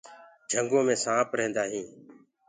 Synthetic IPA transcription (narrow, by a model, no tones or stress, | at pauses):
d͡ʒʱəŋɡõːmẽːsãːpɾɦẽːnd̪aːɦĩː